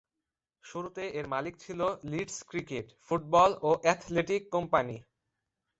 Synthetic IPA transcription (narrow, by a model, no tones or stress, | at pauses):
ʃuɾut̪eeɾmalik̚t͡ɕʰiloliʈskɾikeʈfuʈ̚bɔloʔɛt̪ʰleʈikːompani